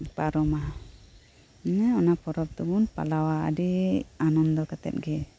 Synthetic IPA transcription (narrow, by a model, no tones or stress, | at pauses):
paɾɔma | nɛɔnapɔɾɔp̚d̪ubunpa̰lawaa̰dianɔnd̪ɔkat̪ɛ̰t̪̚ɡɛ